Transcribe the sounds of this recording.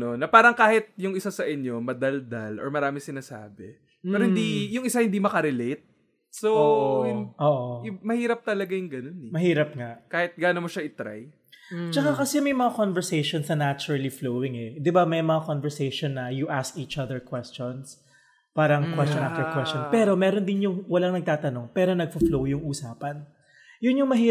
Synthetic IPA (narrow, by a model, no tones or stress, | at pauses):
no̞nɐpaːɾɐŋkaːhɪt̪̚jʊŋʔɪsasɐʔɪɲjo̞mɐd̪ɐld̪alʔo̰ɹmɐɾaːmɪsɪnaːsa̰ːbɛ | pɛɛːɾohɪnd̪ijʊŋɪsahɪnd̪imɐkɐɾɛlejt̪̚ | soohɪnʔoːʔomɐhiːɾɐp̚t̪ɐlɐɡajʊŋɡɐno̞nɛmɐɦiːɾɐp̚ŋaʔkaːhɪt̪̚ɡaːnomoʃaʔɪt̪ɾa̰j | t͡ʃɐkakɐsɛmɐjmɐŋakonvɛɹsejʃonsɐnat͡ʃʊɾɐliflowɪŋɛd̪ɪbamɐjmɐŋakonvɛɹsejʃonːɐjʊʔaskʔiːt͡ʃɐðɛɹkwɛst͡ʃons | paːɾɐŋkwɛst͡ʃɔnʔaft̪ɛɹkwɛstt͡ʃonpɛːɾo̞mɛːɾond̪ɪnjʊŋwɐlaŋnɐɡ̚t̪aːt̪ɐno̞ŋpɛːɾo̞nɐɡ̚foflowjʊŋʔuːsaːpɐn | jʊnjʊŋmɐɦiː